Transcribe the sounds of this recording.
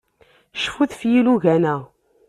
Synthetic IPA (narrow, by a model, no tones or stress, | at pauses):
ʃfuθfjiluʝænæ